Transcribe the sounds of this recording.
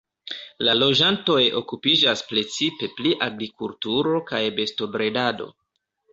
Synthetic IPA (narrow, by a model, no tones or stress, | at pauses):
lalo̞d͡ʒanto̞jo̞̰kupid͡ʒaspɾe̞t͡sipe̞pliʔaɡɾikultuɾo̞kajbe̞sto̞bɾe̞dado̞̰